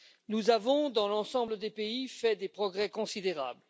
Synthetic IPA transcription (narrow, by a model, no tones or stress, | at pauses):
nuzavɔ̃d̪ɑ̃lɑ̃sɑ̃bləd̪epeifɛd̪epχɔɡʁɛkɔ̃sid̪eʁa̰bl